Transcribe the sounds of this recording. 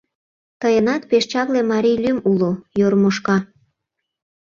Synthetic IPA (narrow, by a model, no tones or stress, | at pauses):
t̪əjənɑt̪̚peʃt͡ɕɑβlemɑɾijlymulojoɾmoʃkɑ